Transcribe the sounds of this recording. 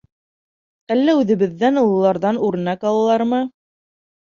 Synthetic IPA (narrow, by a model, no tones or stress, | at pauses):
ælːæʉðɘ̆βɘ̆ðːænulˠɤ̆lˠɑɾðɑnuɾ̆nɑkɑlˠɤlˠɑɾmɤ